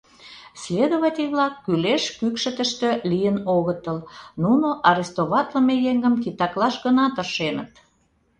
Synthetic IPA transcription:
sled̪oβɑt̪ʲeβlɑkːyleʃkykʃə̆t̪ə̆ʃt̪ø̆lijənoɣət̪əlnunoʔɑɾest̪oβɑt̪ləmejeŋɡəmkit̪ɑklɑʃɣənɑt̪ərʃenə̰t̪

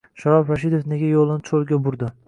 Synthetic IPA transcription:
ʃaɾɒfɾaʃ̬ɪd̪ofne̞ɡʲajolˠɪnɪt͡ʃʰolˠɡʲabʊɾd̪ɪ

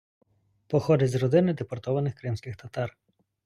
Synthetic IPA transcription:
pɔxɔd̪ʲɐzɾɔd̪ɪnɪd̪epɔrt̪ɔʋɐnɪxkɾɪmsʲkɪxt̪ɐt̪ɑr

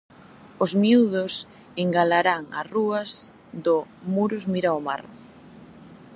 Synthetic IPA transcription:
ʊzmiuðʊs | eŋɡalaɾaŋa̰ruɐz | ðʊmuɾʊzmiɾaoma̰ɾ

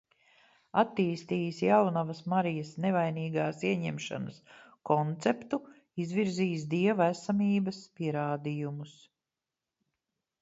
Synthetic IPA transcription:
at̪ːiːst̪iːjisjawnavɐsmaɾijɐsnevajniːɡaːsiɛɲɛmʃa̰nɐskɔnt̪sɛpt̪u | izviɾziːs̬d̪iɛvæsamiːbɐspiɛɾaːd̪ijumus

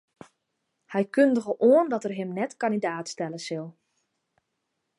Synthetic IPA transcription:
hɛjkøndəɣəʔoəndɔtərɦɪmnɛtkandidaːtstɛləsɪlˠ

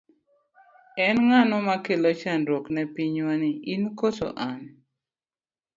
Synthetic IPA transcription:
ɛnŋanɔmakelot͡ʃanɾoknɛpiɲwanɪʔinkoto̰ʔan

